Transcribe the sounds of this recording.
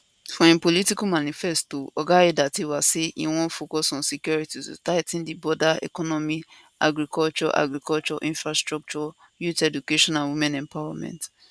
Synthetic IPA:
fɔ̃ĩmpolitikumanifɛstoɔɡaedatiwaseʔḭwɔ̃nfokɔsɔ̃nsikjɔɹititṵtaɪtĩndibɔdaɛ̰kɔnɔmi | a̰ɡɾikɔlt͡ʃɔ̰ʔa̰ɡɾikɔlt͡ʃɔʔĩɱfɹastɹɔk̚t͡ʃɔ | jutɛdukeʃɔ̃nãnwimɛ̃nɛ̃mpawamɛ̰̃nt

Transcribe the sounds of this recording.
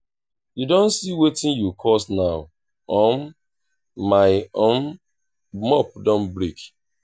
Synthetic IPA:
judõnsiwetĩnjukʰɔsnaʊ | ɔ̃n | maɪõn | mɔp̚dɔ̃nbɾik

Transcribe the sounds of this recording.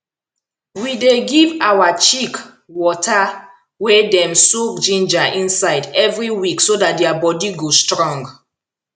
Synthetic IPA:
wideɡivawat͡ʃik | wɔtʰa | wɛdɛ̃msukd͡ʒĩnd͡ʒaʔĩnsaɪdɛvɹiwiksodat̚dɛabɔdiɡostɹɔ̃ŋɡ

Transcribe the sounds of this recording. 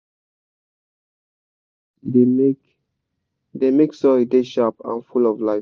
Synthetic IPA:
demek | demeksɔideʃapã̰nfulɔvlaɪf

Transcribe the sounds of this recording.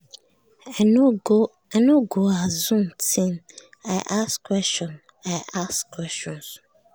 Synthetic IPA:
ɛno | ɛnoɡoazũmtʰĩn | aɪʔaskwɛst͡ʃɔ̃n | ajaskʰwɛst͡ʃɔ̃ns

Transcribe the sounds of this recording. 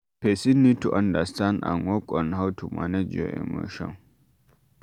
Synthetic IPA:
pɛsɪnːɪt̪ʊʔɐnd̪ɐstanɐ̰ŋɔkʼːɔnhɐwt̪ʊmʔɐ̰nɛd͡ʒɔ̰ʔɛ̰mɔ̰ʃɐ̰

